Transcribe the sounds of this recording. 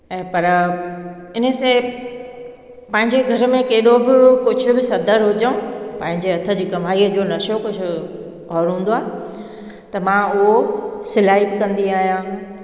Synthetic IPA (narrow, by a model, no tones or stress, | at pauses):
ɛ̃ːpɐɾ | ɪn̤ə̆sẽ | pɐ̃ɦɪ̃ɲd͡ʑeɡʱɐɾmẽkeːɗobɪkʊd͡ʑʱʊ̆bɪsɐd̪əɾɦʊd͡ʑəũpɐ̃ɦɪ̃ɲd͡ʑeɐt̪ʰə̆d͡ʑiːkɐm̤aːiəd͡ʑoːnɐʃokʊd͡ʑʰʱʊ̆ | ɔːɾɦũːn̆d̪oaːɦɪ | t̪ɐmãʊɦosɪlaːibɪkɐ̃nd̪iaːɦijãː